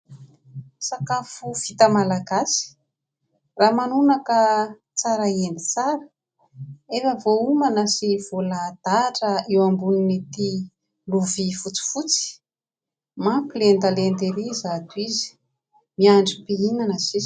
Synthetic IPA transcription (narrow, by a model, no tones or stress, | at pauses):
sakafuv̥it̪əmalaɡasi̥ | raːmanunakə | t͡saɾaend̪i̥t͡saɾə̥ | efəvoumanəsiv̥olad̪̥aʈ͡ʂəewambuninit̪i | luvifut͡si̥fut͡si̥ | mapilend̪alend̪eɾizat̪uizi̥ | miaɳɖ͡ʐipiinanəziz